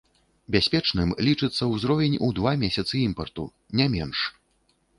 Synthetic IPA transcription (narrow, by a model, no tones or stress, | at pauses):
bʲasʲpʲɛt͡ʂnɨmlʲit͡ʂɨt̪sːɐwzɾɔvʲɛnʲud̪vamʲɛsʲɐt̪sɨimpɐrt̪u | nʲamʲɛnʂ